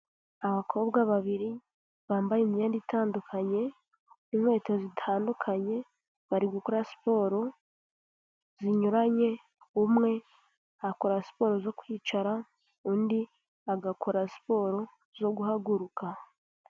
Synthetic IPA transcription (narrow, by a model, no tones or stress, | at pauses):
aβakʰo̞ːbɡaβaβiɾi | βaːmbajemijeːnditaːndukʰaɲe̞ | imwe̞ːtozitʰaːndukʰaɲe̞ | βaɾiɡukoɾasi̥po̞ːɾo̞ | ziɲuɾaɲe̞ | umŋe̞ | akoɾasi̥po̞ːɾo̞zo̞kwiːt͡ʃaɾa | uːndi | aɡakʰoɾasi̥po̞ɾo̞ | zo̞ɡuhaɡuɾukʰa